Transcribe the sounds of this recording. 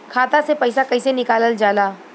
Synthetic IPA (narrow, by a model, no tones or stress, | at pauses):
kʰaːt̪asepɐɪsakɐɪsenɪkaːləld͡ʒaːlaː